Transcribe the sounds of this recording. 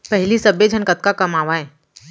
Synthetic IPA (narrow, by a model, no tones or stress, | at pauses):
pɛɦlisɐbed͡ʒʱɐnkət̪̚kakɐmaːʋaɦɛː